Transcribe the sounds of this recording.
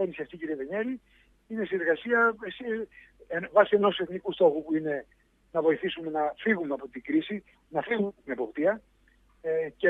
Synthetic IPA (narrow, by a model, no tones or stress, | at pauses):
enisɐft̪iciɾieðeɲeɾi | inesineɾɣɐsiɐsi | evɐsie̞no̞suse̞θnikust̪o̞xupuine̞ | nɐvo̞iθisume̞nɐfiɣumeɐpo̞t̪iɡɾisi | nɐfiɣut̪ine̞po̞pt̪iɐ | ce